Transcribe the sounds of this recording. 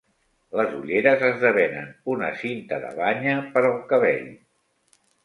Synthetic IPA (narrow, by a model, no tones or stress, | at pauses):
ləzuʎeɾəzəzðəβɛnə̰nunə̰sint̪əðə̰βaɲəpəɾuŋkəβḛʎ